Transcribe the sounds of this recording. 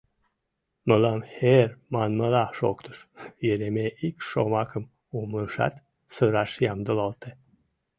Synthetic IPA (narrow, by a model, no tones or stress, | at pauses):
məlɑmhermɑnməlɑʃo̰kt̪ə̥ʃjeɾemeʔikʃomɑkəm | umləʃɑ̰t̪ | səɾɑʃjɑmd̪əlɑlt̪e